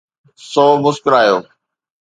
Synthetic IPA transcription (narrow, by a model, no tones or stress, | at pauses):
sɔːmʊskəɾaːjoː